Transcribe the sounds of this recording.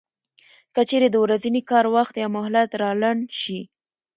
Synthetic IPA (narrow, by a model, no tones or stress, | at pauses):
kət͡ʃeɾed̪əwɾazinikɑɾwaxt̪jɑmʊhlat̪ɾɑlanʃi